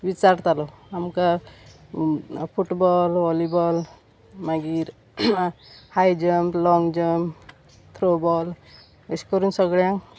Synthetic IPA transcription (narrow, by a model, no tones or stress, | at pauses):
ʋit͡saɾt̪alɔamka | fʰuʈbɔlʋɔlibɔl | maɡiɾ | hajd͡ʑəmblɔŋɡd͡ʑəm | t̪ʰɾobɔl | əskəɾuːnsəɡɭjãŋ